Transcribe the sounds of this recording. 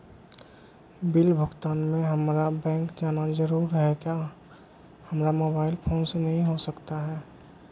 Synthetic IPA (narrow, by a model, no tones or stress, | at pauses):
bɪlbʱʊɡt̪aːnmẽɦəmɾabɛ̃ːŋkd͡ʒaːnazəɾuːɾɦɛka | həmɾamoːbaːɪlpʰoːnsenəɦĩɦosəkt̪aɦɛː